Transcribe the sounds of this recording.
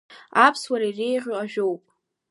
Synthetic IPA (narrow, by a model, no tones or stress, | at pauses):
apʰswaɾairejʁʲoaʒᶣowpʼ